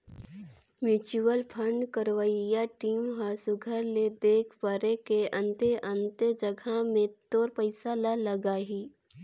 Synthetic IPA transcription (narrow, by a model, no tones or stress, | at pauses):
mjuːt͡ʃuwəlpʰəɳɖkəɾʋaijaʈiːmɦasʊɡʱəɾled̪eːkʰpəɾekeɐ̃nt̪eʔə̃nt̪əd͡ʒəɡʱamẽt̪oːɾpəɪsalalɐɡaːɦiː